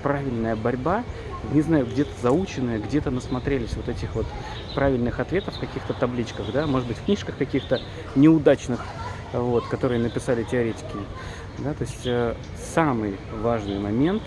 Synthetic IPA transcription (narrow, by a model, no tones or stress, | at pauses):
pɾavʲɪlʲnəjəbɐɾʲba | nʲɪznajʊɡdʲe̞t̪əzɐut͡ɕɪnːəjəɡdʲe̞t̪ənəsmɐt̪ɾʲelʲɪsʲvo̞t̪ɛtʲɪxvo̞t̪ | pɾavʲɪlʲnɨxɐt̪vʲe̞t̪əfːkɐkʲixt̪ət̪ɐblʲit͡ɕkəɣd̪amo̞ʐəɨd̪bɨtʲfknʲiʂkəxkɐkʲixt̪ə | nʲɪʊd̪at͡ɕnɨx | vo̞t̪kɐt̪o̞ɾɨjənəpʲɪsalʲɪtʲɪɐɾʲetʲɪ̥kʲɪ | d̪at̪oɪsʲtʲə | samɨjvaʐnɨjmɐmʲe̞nt̪